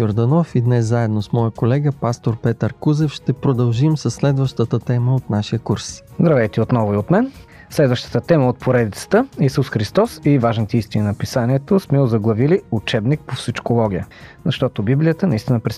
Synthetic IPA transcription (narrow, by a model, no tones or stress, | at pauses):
joɾd̪ɐnɔfid̪nɛszaɛd̪nosmɔjəkolɛɡəpast̪oɾpɛt̪əɾkuzɛfʃt̪ɛpɾod̪ɐlˠʒimsəsːlɛd̪vəʃt̪ət̪ət̪ɛməot̪naʃiəkuɾszd̪ɾɐvɛjt̪ɛot̪nɔvʊiot̪mɛn | slɛd̪vəʃt̪ə̥t̪ət̪ɛməot̪̚pʰoɾɛd̪it̪sə̥t̪əisusxɾist̪ɔsivaʒnit̪ɛist̪ʲinʲinɐpisanʲiɛt̪osmɛozɐɡlˠɐviliut͡ʃɛbnik̚pofsit͡ʃkolˠɔɡʲijə̰zɐʃt̪ɔt̪obiblijət̪ənɐist̪ʲinəpɾɛ